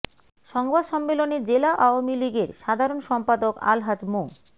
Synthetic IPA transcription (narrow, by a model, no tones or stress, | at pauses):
ʃɔŋbad̪ʃɔmːeloned͡ʑelaʔaoamiliɡeɾʃad̪ʱaɾonʃɔmpad̪oka̰lɦad͡ʑmo